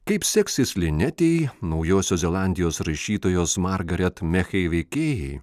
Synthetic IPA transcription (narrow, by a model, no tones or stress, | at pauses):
kɐɪpsʲɛksʲɪsʲlʲɪnʲɛt̪ʲeɪjnɐʊjoːsʲoːzʲɛlˠɑˑnʲd̪ʲɪjoːsɾɐʃʲiːt̪oːjoːsmɑɾɡɐɾʲɛt̪mʲɛxʲɛɪʋʲɛɪkʲeːjɛɪ